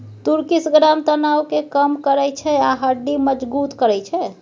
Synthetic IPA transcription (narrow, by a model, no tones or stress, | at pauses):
t̪uɾkisɡɾamt̪ənawkekəmkəɾɛjt͡ʃʰɛaɦəɖːiməd͡ʒbut̪kəɾɛjt͡ʃʰɛ